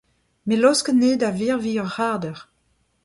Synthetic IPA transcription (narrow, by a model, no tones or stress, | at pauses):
melɔskəneːdaviːʁviɔʁʁaʁdəʁ